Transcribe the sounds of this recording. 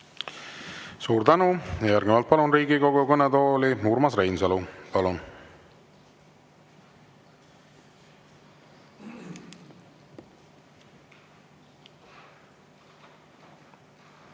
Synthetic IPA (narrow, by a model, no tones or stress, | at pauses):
suːɾt̪ænujɑjæɾɡnivɑlt̪̚pɑlunriːɡikoɡukɤnɛt̪oːlimuːɾmɑsrejnsɑlupɑlun